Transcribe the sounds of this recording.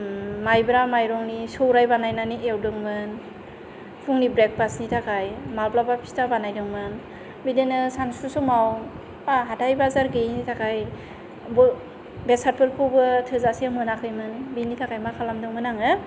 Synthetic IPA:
majbɾamajɾɔŋnisowɾajbanajnaniʔewdɯŋmɯn | pʰuŋnibɾek̚pasnitʰakʰajmalplapapʰi̥stabanajdɯŋmɯn | bidenɯsansusɔmaw | aɦatʰajbazaɾɡinitʰakʰaj | bɯ | besat̚pʰɯɾpʰuwbɯtʰɯzasiamɯnakʰɯjmɯnbinitʰakʰajmakʰalamdɯŋmɯnaŋɯ

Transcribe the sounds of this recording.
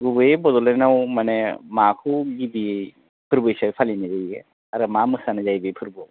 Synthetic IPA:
ɡubɯebɔd̪ɔlanawmanemakʰuɡibie | pʰɯɾbɯjsapʰalinazajḛ | aɾɯmamɯsanɯzajbɯpʰɯɾbɔ

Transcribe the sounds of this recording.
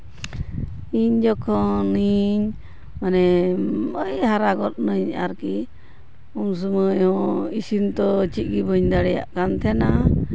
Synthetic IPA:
iɲd͡ʒɔkʰɔ̃niɲ | manɛ | əjhaɾaɡɔt̪̚nəɲa̰ɾki | ums̬uməjhɔ̃isint̪ɔt͡ʃit̪̚ˀɡibəɲd̪aɽɛja̰ʔkant̪ʰɛna

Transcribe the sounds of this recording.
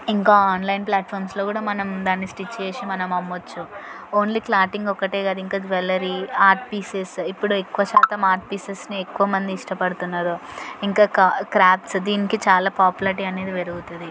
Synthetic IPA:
iŋkaːaːnlɐjnplaːʈ̚pʰɐːɾmslo̞ːkuːɽaːmɐnɐmd̪aːnːisʈit͡ʃːt͡ʃeːsimɐnɐmɐmːʋɐt͡ʃːu | o̞ːnliːklaːɾʈiŋɡɔkːɐʈeːɡaːd̪uiŋkaːd͡ʒʋelɐɾiaːɾʈpiːsesipːuɽuekːuʋɐt͡ʃaːt̪ɐmaːɾʈ̚piːsesniekːuʋɐmɐnd̪iːʂʈɐpɐɽut̪unːaːɾuiŋkaːkakɾaːpsd̪iːnikit͡ʃaːlaːpaːpjulɐɾʈiɐne̞ːd̪iʋeɾuɡut̪und̪i

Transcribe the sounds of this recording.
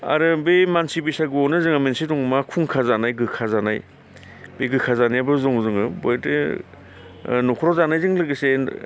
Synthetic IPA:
a̰ɾɯbemansibisaɡɯonɯzɯŋamensidɔŋmakʰuŋkʰazanajɡɯkʰazanaj | beɡɯkʰazanajabɯzɔŋzɯŋɯbojtɯ̰ | nɔkʰɾɔzanajzɯŋlɯɡɯse

